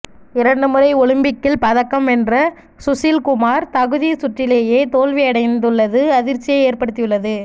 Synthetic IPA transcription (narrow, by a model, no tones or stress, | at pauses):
ɪɾɐɳɖɯmɯrɐɪɔɻɯmbɪkːɪlpɐðɐkːɐmɛndrɐ | sʊsilkʊmaːɾt̪ɐɣɯðisʊʈrːɪleːjeːt̪oːlʋɪɐɽɐɪnd̪ɯɭːɐðɯɐðɪɾt͡ʃːɪjɐɪeːrpɐɽɯt̪ːɪjɯɭːɐðɯ